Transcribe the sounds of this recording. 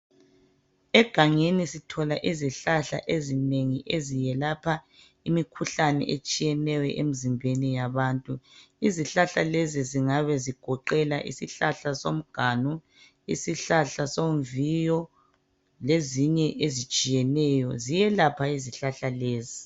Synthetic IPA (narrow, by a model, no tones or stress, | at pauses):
ɛɡ̥ʱaŋenisitʰɔlaʔiziɬaɬa̰ʔezineŋiʔezijɛlapʰa | imikʰuɬanɛ̰ʔet͡ʃʼijɛnɛwɛʔem̩zimbʱenijaβaːntʼu | iziɬaɬaleziziŋaβɛziɡ̥ʱɔǃɛlaʔḭsiɬaɬasom̩ɡ̥ʱaːnu | ḭsiɬaɬasoɱvijɔ | leziɲɛʔezit͡ʃʼijɛnɛːjɔzijɛlapʰaiziɬaɬaleːzi